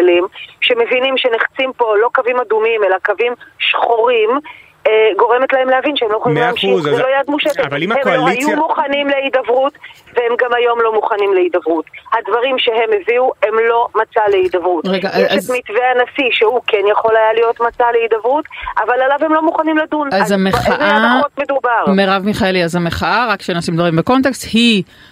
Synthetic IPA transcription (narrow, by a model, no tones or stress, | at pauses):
limʃe̞me̞vinimʃeneχt͡simpo̞lo̞kavimadumime̞lakavimʃχo̞ʁim | eɡo̞ʁeme̞tlae̞mleavinʃeemlojeχoliimleamʃizelo̞jadmuʃetetvahemajumuχanimleidavʁutvehemɡamajo̞mlo̞muχanimleidavʁuthadvaʁimʃeɦe̞mːeviue̞mlo̞mat͡saleid̪avʁutʁeɡaʔaamit̪veanasiʃehukenjaχo̞lajalijo̞tmat͡saleidavʁutʔavalalavhemlo̞muχanimladunazameaaotmed̪ubaʁmeʁavmiχaeliazameχaʔaʁakːʃenosimd̪vaʁimbeko̞nt̪̬ekst̪hi